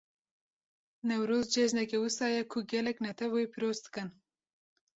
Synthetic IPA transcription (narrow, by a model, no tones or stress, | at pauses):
nɛwɾoːzd͡ʒeʒnɛkɛwɨsɑːjɛkʰʊɡʲɛlɛknɛt̪ʰɛvojipʰiɾoːzd̪ɨ̥kɨn